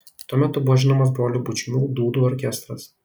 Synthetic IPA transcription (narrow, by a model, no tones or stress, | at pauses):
t̪uɔmʲæt̪ʊbʊʋɔʒʲɪnoːmɐsbɾoːlʲuːbʊt͡ʃʲɪmʲuːd̪uːd̪uːɔɾʲkʲɛst̪ɾɐs